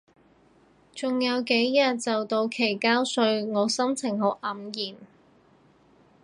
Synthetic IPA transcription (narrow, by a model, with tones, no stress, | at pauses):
t͡sʊ˨ŋjɐ˨˧wke˨˥jjɐ˨t̚t͡sɐ˨wt̪o˧wkʰe˨˩jkaː˥wsɵ˧ɥŋɔː˨˧sɐ˥mt͡sʰɪ˨˩ŋɦo˨˥wʔɐ˨˥mjiː˨˩m